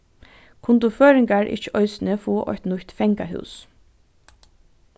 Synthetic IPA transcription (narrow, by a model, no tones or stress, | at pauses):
kʰʊnt̪uføːɾɪŋkaɹʔɪ̰ht͡ʃə̥ʔɔʏsɪnəfuːʔɔ̰çt̪nʊçt̪fɛŋka̰ɦʉ̰ws